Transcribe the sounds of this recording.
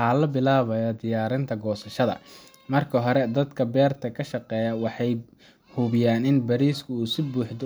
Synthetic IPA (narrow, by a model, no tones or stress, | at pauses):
aːlɐbɪlaːβɐjɐd̪ɪjaːɾɪnt̪ʰɐɡɔːsɐʃɐðɐ̰ | mɐrkʰɐɦɔɾɛd̪ɐd̪kʰɐbɛːrt̪ʰɐkʰɐʃɑqɛːjɐwɑħɑj | huβɪjaːnɪnbɐɾiːskʰʊuːsɪbuːħd̪ʊ